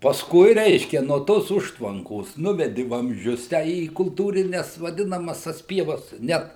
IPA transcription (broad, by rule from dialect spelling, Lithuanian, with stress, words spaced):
pɐsˈkʊɪ ˈrʲɛɪʃʲkʲɛ nuɔ ˈtoːs ˈʊʃtʋɐŋkoːs ˈnʊʋʲɛdʲɪ ʋɐmʲzʲˈd͡ʒʲʊs tʲæː iː kʊlˠˈtuːrʲɪnʲɛs ʋɐˈdʲɪnɐmɐs tɐs ˈpʲiɛʋɐs ˈnʲɛt